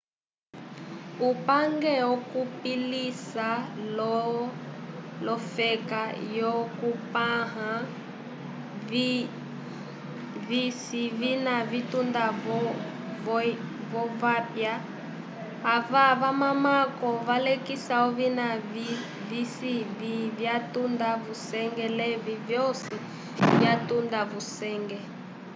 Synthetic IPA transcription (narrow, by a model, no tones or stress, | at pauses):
upaŋɡɛɔkupilisalɔ | lɔfɛkajɔkupaɦa | visivinavit̪unda | vɔvɔvapja | vaβamamakɔvalɛkisaɔvinai | visivivjatundavusɛŋɡɛlɛvivjɔsi | vjatundavusɛŋɡɛ